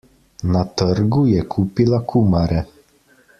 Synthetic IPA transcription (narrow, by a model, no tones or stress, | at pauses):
nat̪əɾɡujɛkʰuːpilakʰuːmaɾɛ